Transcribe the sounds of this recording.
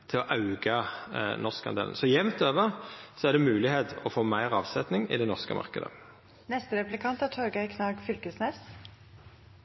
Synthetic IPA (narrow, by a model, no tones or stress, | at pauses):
t̪ʰɪlɔʔɑʉɡɑnɔʁskɑ̰nd̪ḛːln̩sɔjɛʋnt̪øːʋəʁsɔæʁɖ̪ɛmʉːlɪheːt̪ɔfoːmæɪʁɑːʋsɛt̪nɪŋɪ̰d̪ɛnɔʁskəmʔɑ̰ʁkəd̪ə̰ | nɛst̪əɾɛplɪkʰɑnt̪æʈʰɔɾɡɑɪkʰnɑːɡfʏlkəsnɛs